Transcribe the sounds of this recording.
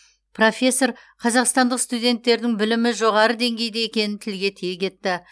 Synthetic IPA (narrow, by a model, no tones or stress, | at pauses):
pro̞fʲe̞sːo̞ɾ | qʰɑzɑqst̪ɑnd̪əqst̪ud̪ʲe̞nt̪ːe̞ɾd̪ɪŋbɪlɪmɪʒo̞ʁɑɾəd̪e̞ŋɡʲe̞jd̪ejekʲe̞nɪnt̪ʰɪlɡʲe̞t̪ʰijekʲʰe̞t̪ːɪ